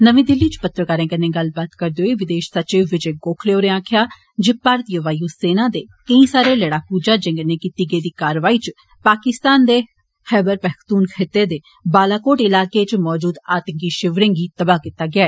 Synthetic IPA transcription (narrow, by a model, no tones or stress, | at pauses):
nəʋĩːd̪ɪlːiːt͡ʃpət̪ːɾəkəɾẽːkənẽːɡəlbaːt̪kəɾd̪eoeːʋɪd̪eːʃsətːt͡ʃeːʋɪt͡ʃeːɡoːkʰleːoːɾẽãːkʰjaː | d͡ʒɪpaːɾt̪ijəʋaːjuːseːnãːd̪eːkəĩːsaːɾeːləɽaːpuːd͡ʒaːd͡ʒẽːŋɡəneːkiːt̪iːɡeːd̪iːkaːɾʋaːiːt͡ʃ | paːkɪst̪aːnd̪eː | xɛːbəɾpɛːkt̪uːnkʰeːt̪ːeːd̪eː | baːlaːkoːʈɪlaːkeːt͡ʃmɔːd͡ʒuːd̪aːt̪əŋkiːʃɪʋɾẽːŋɡiːt̪əbaːkɪt̪ːaːɡɪaːɛː